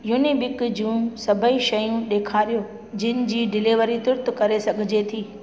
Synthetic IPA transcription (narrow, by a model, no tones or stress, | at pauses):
juːnibɪkd͡ʑũsɐbʱəiʃɐjũɗeːkʰaːɾijo | d͡ʑɪnɪ̆d͡ʑiːɖɪleʋəɾit̪ʊɾt̪ʊkɐɾesɐɡʱɪd͡ʑet̪ʰiː